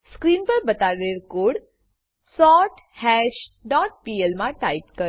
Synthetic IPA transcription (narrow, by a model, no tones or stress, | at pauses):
skɾiːnpəɾbət̪aɾeɾkoːɽ | sɔʈ | hɛɕɖɔʈ̚pielmãʈaip̚kə